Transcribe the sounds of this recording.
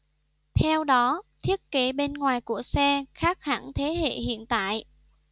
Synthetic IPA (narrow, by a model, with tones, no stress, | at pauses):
t̪ʰɛ˧wɗɔ˨˦t̪ʰi˦˥ət̚ke˨˦ɓe˧nŋwaː˨˩jku˧˩əsɛ˧xaː˦˥k̚ha˧˩ŋt̪ʰe˨˦hḛ˧˨hḭ˧˨ənt̪a̰ː˧˨jʔ